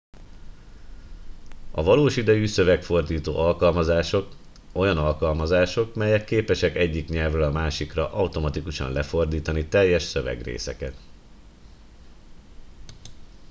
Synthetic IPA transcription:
ɒ̰vɒloːʃid̪ɛjysø̞vɛkfo̞rd̪iːt̪o̰ːʔɒlkɒlmɒzaːʃo̞k | o̞jɒnɒlkɒlmɒzaːʃo̞kmɛjɛkːeːpɛʃɛkɛɟːikɲɛlvrɛlɒmaːʃikrɒʔɒwt̪o̞mɒt̪ikuʃɒ̰nlɛfo̞rd̪iːt̪ɒnit̪ɛjːɛʃsø̞vɛ̰ɡrḛːsɛ̰kɛt̪

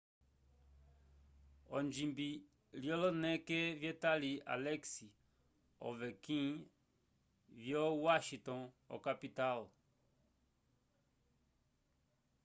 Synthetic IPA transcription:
ɔ̃nd͡ʒĩmbi | ljɔlɔnɛ̃kevjetalia̰lɛksi | ɔ̰vɛkĩŋ | vjɔwaʃĩtɔ̃n | ɔ̰kapital

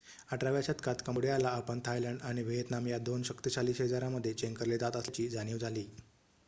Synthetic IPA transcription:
aʈɾaʋjaɕət̪kʰat̪kəmɽejalaːpəɳt̪ʰajləɳɖaɽ̃iʋeɦet̪namjad̪onɕəkt̪iɕaliːsɦed͡zaɾaməd̪ʱːjet͡ɕeŋkəɾlet̪at̪əst͡ɕiːd͡zʱañiʋd͡zʱaliː

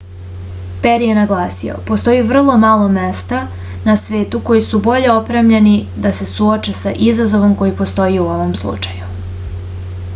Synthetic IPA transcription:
peɾje̞naɡlaːsio̰po̞st̪o̞iʋr̩lˠo̞maːlˠo̞me̞st̪a | nasʋe̞ːt̪uko̞jisubo̞ʎe̞opɾeːmʎe̞ni | d̪ase̞suot͡ʃesa̰ʔizazo̞ʋo̞mko̞jipo̞st̪o̞jiuo̞ʋo̞mslˠṵt͡ʃaju

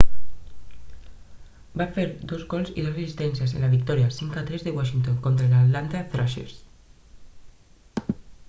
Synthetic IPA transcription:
bafeɾd̪ozɣolsḭðoresist̪ensjasenlaβik̚t̪ɔɾjasiŋkat̪ɾezðeɣwaʃint̪oŋkont̪ɾaelat̪lant̪aθɾaʃḛɾs

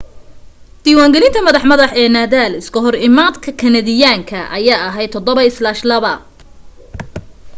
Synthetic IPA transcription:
d̪̥iːwaːŋɡɛlɪnt̪ʰɐmɐðɑħmɐðɐħɛːnaːðaːlɪskʰɐɦɔrɪmaːd̪kʰɐkʰɐnɐðɪjaːŋkʰɐʔɐ̰jaːɐɦɛjt̪ʰɔd̪ɔβɐɪslaːʃlɐβɐ

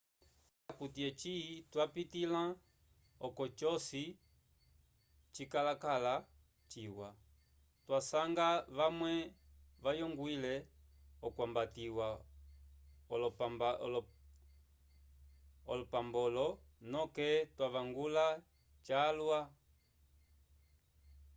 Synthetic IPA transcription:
akutiɛt͡ʃitwapitilã | ɔkɔt͡ʃɔsi | t͡ʃikalakala | t͡ʃiwa | twasaŋɡaβamwɛʋajɔŋɡwilɛɔkwambatiwa | ɔlɔ | ɔlɔpambɔlɔnɔkɛtwaβaŋɡula | t͡ʃalwa

